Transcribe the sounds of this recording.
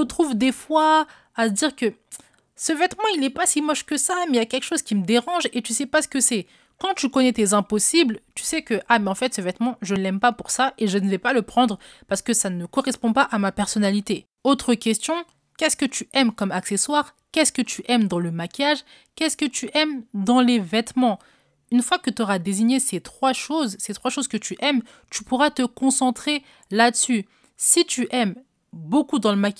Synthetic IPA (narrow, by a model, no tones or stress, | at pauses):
ət̪χuvd̪efwa | ad̪iʁkə | səvɛt̪mɑ̃ilɛpasimɔʃkəsamɛjakʲɛlkə̥ʃozkʲiməd̪eʁɑ̃ʒet̪ysɛpasə̥kəsɛ | kɑ̃t̪ykɔnɛt̪ezɛ̃pɔsiblt̪y̥sɛkəʔamɛɑ̃fɛt̪səvɛt̪mɑ̃ʒəlɛmpapuʁsaʔeʒənəvɛpaləpχɑ̃d̪ʁ | paʁsə̥kəsanəkɔʁɛspɔ̃paʔamapɛʁsɔnalit̪e | ot̪χəkʲɛst̪jɔ̃ | kʲɛskət̪yʔɛmkɔmakseswaʁ | kʲɛskət̪yʔɛmd̪ɑ̃ləmakʲijaʒ | kʲɛskət̪yʔɛmd̪ɑ̃levɛt̪mɑ̃ | ynfwakət̪ɔʁad̪eziɲeset̪χwaʃozset̪χwaʃozkət̪yʔɛm | t̪ypuʁat̪əkɔ̃sɑ̃t̪χe | lad̪əsy | sit̪yʔɛm | bokud̪ɑ̃ləmakʲ